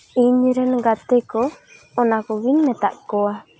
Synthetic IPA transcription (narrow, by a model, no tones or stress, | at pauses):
iɲɾənɡat̪ekɔː | nakɔwiŋnɛt̪a̰ʔkoa